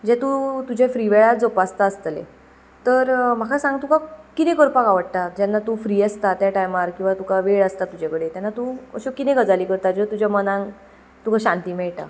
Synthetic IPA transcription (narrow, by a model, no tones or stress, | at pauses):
d͡ʑẽt̪ut̪ud͡ʑʱefɾiʋeɭad͡zopast̪aəst̪lḛ | t̪əɾm̤akʰasãŋɡt̪ũkakit̪ẽkəɾpakaʋəɽt̪ad͡ʑanːat̪ufɾiːəst̪at̪jaʈajmaɾkĩw̃ʋat̪ukaʋeɭəst̪at̪ud͡ʑakəɽet̪janːat̪uə̰ɕokit̪ẽɡəd͡zaliːkəɾt̪ad͡ʑt̪ud͡ʑamənãŋ | t̪ukʰaɕãnt̪iːmɛɭʈ̪a̰